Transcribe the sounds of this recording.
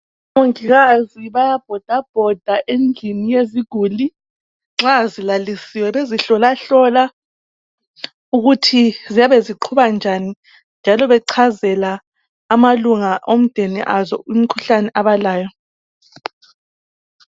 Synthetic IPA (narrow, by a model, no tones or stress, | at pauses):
moŋiɣaziβajab̥̚ʱɔd̥ʱab̥ʱɔd̥ʱaʔend͡ɮʱinijeziɡ̥ʱuːli | ŋ͡ǁazilalisiwɛleziɬɔlaɬɔla | uɣutʰizijaβeziǃʰuβand͡ʒʱani | nd͡ʒʱalɔβɛǀʰazɛlaː | maluŋaʔom̩d̥ʱenḭʔazɔ̰imikʰuɬanɛʔaβalaːjɔ